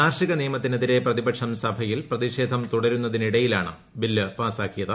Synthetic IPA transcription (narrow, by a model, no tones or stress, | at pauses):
aːrʂiɣɐnijɐmɐt̪̬ːineðiɾe̞prɐðibɐkʂɐmsɐbʱɐjilprɐðiʂe̞ːd̪ʱɐmt̪uɽɐɾunːɐðiniɽɐjilaːɳɨ | bilːɨpaːsaːkːijɐðɨ